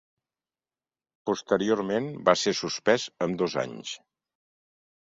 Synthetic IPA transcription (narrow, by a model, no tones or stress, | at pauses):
pust̪əɾioɾmenbaseɾsuspɛzəmd̪oza̰ɲs